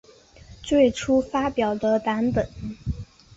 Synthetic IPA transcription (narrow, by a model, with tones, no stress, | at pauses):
t͡swe˥˩ɪʈ͡ʂʰu˥fa˥pjɑ˨˩ʊd̪ə˦t̪a˧˥npə˨˩˦n